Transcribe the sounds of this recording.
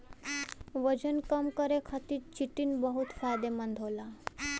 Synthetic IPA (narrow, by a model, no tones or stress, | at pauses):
ʋəd͡ʑənkəmkəɾekʰat̪iːɾt͡ɕiʈiːnbəɦut̪fajd̪emənd̪ʱola